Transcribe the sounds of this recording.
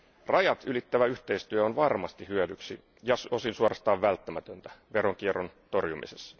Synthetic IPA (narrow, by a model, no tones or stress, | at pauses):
rɑjɑt̪ylit̪ːæʋæyht̪e̞ist̪yæonʋɑrmɑst̪ihyødyksi | jɑso̞sinsuorɑst̪ɑːʋʋælt̪ːæmæt̪ønt̪æ̥ʋe̞ɾoŋk̟ieront̪o̞rjumḭsesːɑ̥